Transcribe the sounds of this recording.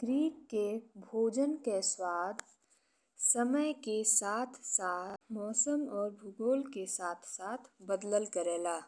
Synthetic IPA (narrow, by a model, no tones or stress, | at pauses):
ɡɾiːkkebʱoːd͡ʒənkeswaːd̪ | səməjkesaːt̪ʰsaːtmɔːsəmɔːɾbʱʊɡoːlkesaːt̪ʰsaːt̪ʰbəd̪ləlkəɾeːlaː